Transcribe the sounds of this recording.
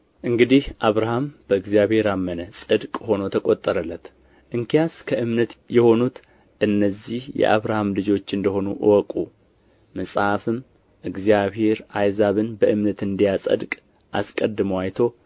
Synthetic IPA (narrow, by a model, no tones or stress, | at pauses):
ʔɨŋɡɨd̪ihʔaβɾahamb̥əɨɡzijaβhe̞ɾamːənəsʼɨd̪kʼho̞no̞t̪ʰəkʼot̪ʼːəɾəlːət̪ | ʔɨŋkʰijaskʰəʔɨmnət̪jɛho̞nut̪ | ʔɨnːəzːihjɛ̰ʔa̰βɾahamlɨd͡ʒo̞t͡ʃːɨnd̪əho̞nuʔɨwɔkʼṵ | məsʼhafɨm | ʔɨɡzijaβhe̞ɾajzaβɨnbəʔɨmnət̪ɨnd̪ijasʼə̰d̪kʼ | ʔa̰skʼəd̪ːɨmwajt̪ʰo̞